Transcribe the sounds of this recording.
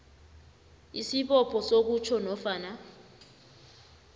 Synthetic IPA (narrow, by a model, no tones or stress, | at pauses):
isiɓɔpʰɔsok̬ut͡ʃʰɔnɔfaːna